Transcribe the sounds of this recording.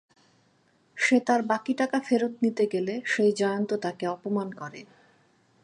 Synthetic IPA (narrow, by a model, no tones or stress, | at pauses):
ʃet̪aɾbakiʈakafeɾot̪nit̪eɡeleʃejd͡ʑɔeont̪ot̪akeɔpomankɔɾḛ